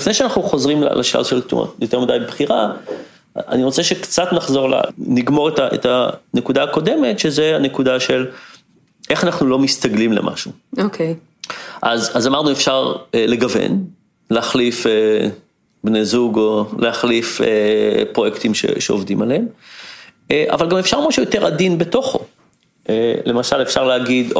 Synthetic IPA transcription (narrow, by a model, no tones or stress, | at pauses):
ifnejʃeanaχnuχo̞zʁiml̰lʔaʃla̰vʃeltṵm̰jo̞teʁmidajbebχiʁa | a̰niʁo̞t͡seʃekt͡satnaχzo̞ʁla̰niɡmo̞ʁetaʔḛtanekudaːko̞de̞me̞tʃezeane̞kudaʃe̞l | ʔe̞χanaχnulo̞mistaɡlimlḛmʔa̰ʃuokʰej | ʔazazamaʁnuefʃaʁele̞ɡavḛn | leaχlife | bnezuɡolʔeaχlifepʁo̞jektimʃḛʃeo̰vdimaleem | eʔa̰valɡamefʃaʁmaʃujote̞ʁadinbe̞to̞χo̞̰ | ʔelemaʃalefʃaʁleaɡid